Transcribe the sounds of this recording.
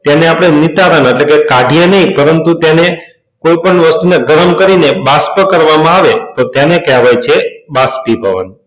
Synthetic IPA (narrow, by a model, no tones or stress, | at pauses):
t̪janeapɽ̃enit̪aɾəneʈlekekaɖʱijənəĩpəɾənt̪ut̪jane | koipəɳʋəst̪uneɡəɾəmkəɾinebaspəkəɾʋamãaʋet̪ot̪janekɛʋajt͡ʃʰebaspibʱə̰ʋə̰n